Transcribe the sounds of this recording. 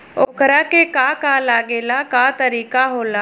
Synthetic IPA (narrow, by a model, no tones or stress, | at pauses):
oːkɾakekaːkaːlaːɡeːlakaːt̪əɾiːkaɦoːlaː